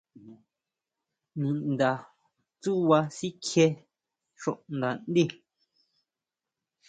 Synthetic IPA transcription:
nĩ˨nd̪a˨ | t͡su˦wa˧si˦kʰje˧ | ʃõ̰˨ʔn˨d̪a˨n˦d̪i˦˨

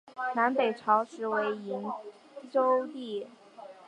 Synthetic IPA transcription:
na˧˥npe˨˩ɪʈ͡ʂʰɑ˧˥ʊʂɻ̩˧˥we˧˥ɪi˧˥n | ʈ͡ʂo˥ʊt̪i˥˩

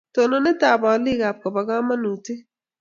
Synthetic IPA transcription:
to˨nɔ˨nɪ˦taː˨ba˨li˦˨ɡa˨p̚kɔ˨ba˨ɡa˦ma˦nu˨ti˦

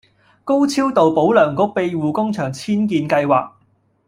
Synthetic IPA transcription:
ko˥wt͡sʰiː˥wt̪o˨wpo˨˥wlœː˨˩ŋkʊ˥k̚pe˧jwuː˨kʊ˥ŋt͡ʃʰœː˨˩ŋt͡sʰiː˥nkiː˧nkɐ˧jwaː˨˩k̚

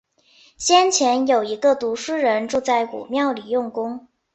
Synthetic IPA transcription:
ɕjɛ˥nt͡ɕʰjɛ˧˥njo˨˩ʊi˧˥ɡə˧t̪u˧˥ʂ̩˥ɻə˧˥nʈ͡ʂu˥˧t͡sa˥˩ɪkṵ˨˩mjɑ˥˩ʊli˨˩jʊ˥˩ŋkʊ˥ŋ

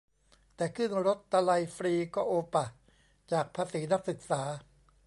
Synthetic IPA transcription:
t̪ɛː˨˩kʰɯ˥˩ŋɾo˦˥t̪ːa˧la˧jfɾiː˧kɔː˥˩ʔoː˧pa˨˩ | t͡ɕaː˨˩k̚pʰaː˧siː˩˦na˦˥k̚sɯ˨˩k̚saː˩˦

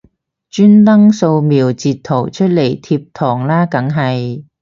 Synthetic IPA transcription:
t͡ʃyː˥nt̪ɐ˥ŋso˧wmiː˨˩wt͡siː˨˧t̪ʰːo˨˩wt͡ʃʰɵ˥t̚le˨˩jt̪ʰiː˧p̚t̪ʰɔː˨˩ŋlaː˥kɐ˨˥ŋɦɐ˨j

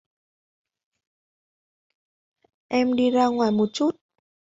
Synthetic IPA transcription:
ʔɛ˧mɗi˧zaː˧ŋwaː˨˩jmo˨˩t̚t͡ɕu˦˥t̚

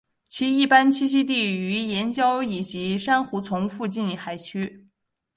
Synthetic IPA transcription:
t͡ɕʰi˧˥i˥˩pa˥nt͡ɕʰi˥ɕ̬i˥t̪̬i˥˩y˧˥jɛ˧˥nt͡ɕjɑ˥ʊi˨˩t͡ɕi˧˥ʂa˥nxu˧˥t͡sʰʊ˧˥ŋfu˥˧t͡ɕi˥˧nxa˨˧˩ɪt͡ɕʰy˥

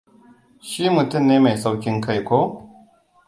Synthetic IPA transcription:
ʃiː˦mu˨tʊ˦˨mneː˦ma˨jsa˦wkʲɪ˦ŋkʰa˦˨jkʷoː˦

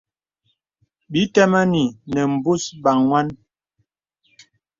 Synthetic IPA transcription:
bi˨˦tɛ˦ma˦ni˨nɛ˨m̩˨bu˦sba˨ŋŋwa˦n

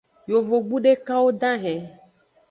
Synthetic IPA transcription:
jo˨vo˨ɡ͡bu˦ɖe˦ka˦wo˦d̪ã˦ɦɛ̃˨

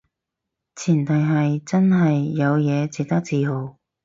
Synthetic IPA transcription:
t͡sʰiː˨˩nt̪ɐ˨jɦɐ˨jt͡sɐ˥nɦɐ˨jːɐ˨˧wjɛː˨˧t͡siː˨k̚t̪ɐ˥k̚t͡siː˨˧ɦo˨˧w

